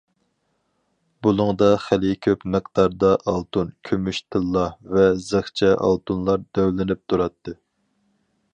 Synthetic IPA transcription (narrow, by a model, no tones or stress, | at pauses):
bulˠʊŋd̪ɑχælɪkʲʰøpmɨqd̪̥ɑɾd̪ɑʔɑlˠt̪ʰunkʲʰømyʃt̪ʰɨlˠːɑvɛzəχt͡ʃʰɛʔɑ̰lˠt̪ʰunlˠɑɾd̪øwlɪnɪp̚t̪ʰuɾɑt̪ʰːɨ